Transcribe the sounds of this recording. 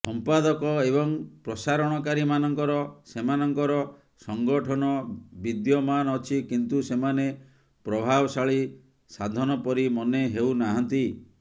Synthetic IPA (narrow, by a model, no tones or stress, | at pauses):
sɔmpad̪ɔkɔeβɔŋpɾɔsaɾɔɽ̃ɔkaɾimanɔŋkɔɾɔsemanɔŋkɔɾɔ | sɔŋɡɔʈʰɔnɔbid̪jɔmanɔt͡ʃʰikint̪usemane | pɾɔbʱabɔsaɭi | sad̪ʱɔnɔpɔɾimɔneɦewnaɦɔnt̪i